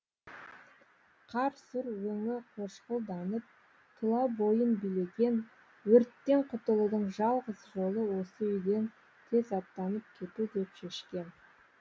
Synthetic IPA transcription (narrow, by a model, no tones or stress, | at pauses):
qʰɑɾsuɾwɵŋɪqʰoʃqəlˠd̪ɑnəp̚ | t̪ʰʊlˠɑbo̞jənbijle̞ɡʲe̞n | wɵɾt̪ːe̞ɴqʰʊt̪əlˠud̪əɴʒɑlˠʁəzʒo̞lˠəwo̞səʏjd̪e̞n | t̪ʰe̞zɑp̚t̪ɑnəp̚kʲʰe̞t̪ud̪e̞pʃe̞ʃkʲe̞n